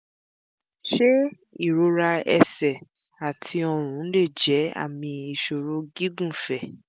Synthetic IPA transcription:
ʃe˦ | i˦˨ɾo˧ɾa˧ɛ˧˨sɛ˨ | a˨tʰi˧ɔ˧ɾ̃ũ˨˦le˦˨d͡ʒɛ˨˦a̰˦˨mĩ˧i˨ʃo˨ɾo˨˦ɡi˦ɡũ˦˨fɛ˨

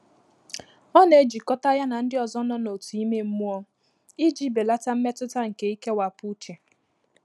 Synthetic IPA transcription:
ɔ˦ne˨d͡ʒi˨kɔ˦ta˦ja˦na˨n̩˦dɪ˦ɔ˨zɔ˦nɔ˦no˨tu˨i˦me˦m̩˦mu˦ɔ˦ | i˦d͡ʒi˦be˨la˦ta˦m̩˦me˦tʊ˦ta˦ŋ̩˨ke˨i˦ke˦wa˨pu˦t͡ʃe˨

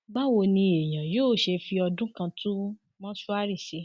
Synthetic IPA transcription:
ɡ͡ba˦wo˧nĩ˧e˨j̃ã˨joː˦˨ʃe˧fi˧ɔ˧dũ˦kã˧tũ˦ | mɔ̃˦su˦a˦ɾi˦˨ʃe˧

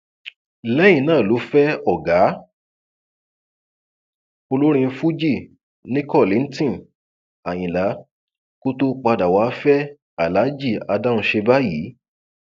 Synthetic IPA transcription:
lɛ˦j̃ĩ˧˨nãː˦˨lo˨˦fɛ˦ɔ˦˨ɡa˨˦ | o˧lo˦ɾ̃ĩ˧fu˦d͡ʒi˦˨ | nĩ˦kɔ˦˨lĩ˨˦n̩˦tĩ˦˨ | a˨j̃ĩ˨la˨˦ | ko˦to˦k͡pa˧da˨wa˨˦fɛ˦ | a˨la˨˦d͡ʒi˦˨a˧da˦˧ũ˧ʃe˧ba˦ji˨˦

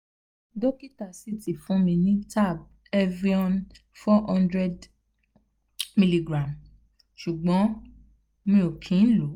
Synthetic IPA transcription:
do˦ki˦ta˨si˦ti˨fũ˦mĩ˧nĩ˦ta˦˨b̚ | ɛ˦vɾi˦ɔ̃˦n | fɔ˦ɔ̃˦ndɾɛ˧d | mi˧li˨ɡɾã˨m | ʃu˨ɡ͡bɔ̃˨˦ | mĩ˧o˨kʰĩ˨˦n̩˦lo˨˦

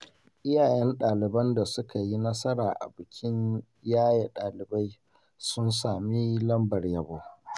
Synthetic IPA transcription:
ʔɪ˦jaː˨jɛ˦nɗaː˨lɪ˨bɐ˦nda˨sʊ˦ka˨ji˦nɐ˦sɐ˦ɾaː˨ʔa̰˨bɪ˨kʲʰɪ˦ɲ | jaː˦ja˨ɗaː˨lɪ˨ba˦j | sʊ˦nsaː˨mi˦lɐ˦mbɐ˨rjɐ˨boː˦

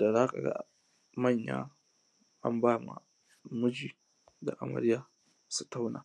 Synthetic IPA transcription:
da˨zaː˦ka̰˨ɡa̰˦ | mɐ˦˨ɲja̰ː˦ | ʔa˦mbaː˦ma̰˨ | mʊ˦d͡ʒiː˨ | da˨ʔa˨mɐ̰˨ɾɪ˦jaː˨˦ | su˨ta˦wna̰ː˨

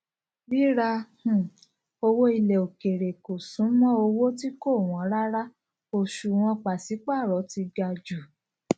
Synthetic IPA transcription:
bi˦ɾa˧h̩˨ | o˧wo˦i˧lɛ˨o˨ke˨ɾe˨ko˨sũ˨˦mɔ̃˦o˧wo˦ti˦ko˦˨w̃ɔ̃˨˦ɾa˦ɾa˦ | o˧ʃu˧w̃ɔ̃˧k͡pa˨si˨˦k͡pa˦˨ɾɔ˨˦ti˧ɡa˧d͡ʒu˨

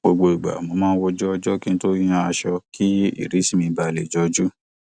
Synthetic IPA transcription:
ɡ͡bo˧ɡ͡bo˧i˨ɡ͡ba̰˨mo˨˧mãː˦˧n̩˦wɔ˦d͡ʒɔ˦ɔ˧d͡ʒɔ˦ki˦n̩˦to˦j̃ã˦a˧ʃɔ˧ki˦ḭ˦˨ɾi˨˦si˦˨mĩ˧ba˧˨le˨d͡ʒɔ˦d͡ʒu˦

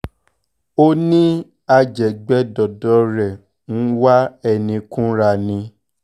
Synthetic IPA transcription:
o˦nĩ˦ | a˧d͡ʒɛ˨ɡ͡bɛ˦dɔ˨dɔ˨˦ɾɛ˨ | ñ̩˦wa˦ɛ˧nĩ˧kũ˦ɾa˧nĩ˧

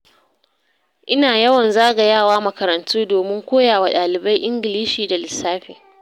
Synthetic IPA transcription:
ʔɪ˦naː˨jɐ˦wɐ˨nzaː˦ɡa˨jaː˦˨waː˦mɐ˨kɐ˨ɾɐ˨ntuː˦doː˨mɪ˦ŋkʷoː˦jaː˨wa˨ɗaː˨lɪ˨ba˦jʔɪ˦ŋɡɪ˨liː˦ʃiː˨da˨lɪ˨sːaː˦ɸḛ˨

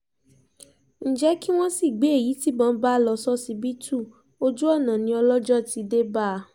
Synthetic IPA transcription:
n̩˨d͡ʒɛ˨˦ki˦w̃ɔ̃˦si˦˨ɡ͡be˨˦e˦˨ji˨˦ti˨˦bɔ̃˨˧˦ba˦lɔ˧sɔ˦si˧bi˦tu˦˨ | o˧d͡ʒu˦ɔ˦˨nã˨nĩ˧˦ɔ˧lɔ˦d͡ʒɔ˦˨ti˨˧de˦ba˦˧

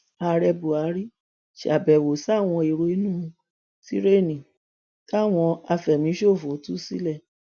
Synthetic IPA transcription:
a˨˧ɾɛ˧bu˨a˨˦ɾi˦ | ʃa˨bɛ˨wo˨sa˦˨w̃ɔ̃˧i˨ɾo˧i˦nũː˦˨˧ | ti˦ɾe˦˨nĩ˨ | ka˦˨w̃ɔ̃˧a˧fɛ˨mĩ˨˦ʃo˦˨fo˨˦tu˦si˦lɛ˦˨

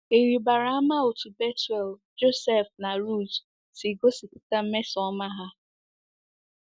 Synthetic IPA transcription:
e˨ɾi˨ba˨ɾa˨˦a˦ma˦o˨tu˨be˦tɛ˨ld͡ʒo˦sɛ˦fna˨ɾu˦˨z | si˨ɡo˦si˨ku˦ta˦m̩˦me˦sɔ˦ma˦ɦa˦

